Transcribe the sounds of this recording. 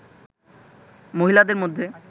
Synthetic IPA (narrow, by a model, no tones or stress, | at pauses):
moɦilad̪eɾmod̪ʱːe